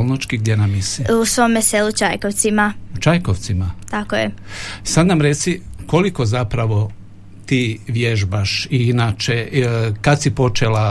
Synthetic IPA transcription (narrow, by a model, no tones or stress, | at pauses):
olˠnot͡ʃkiɡd̪jenamːisiusʋomeselˠut͡ʃajkoʋt̪simaut͡ʃajkoʋt̪simat̪akojesad̪namɾet̪siko̞liko̞zapɾaʋo̞ | t̪iːʋje̞ʒbaʃiinat͡ʃekad̪sipo̞t͡ʃela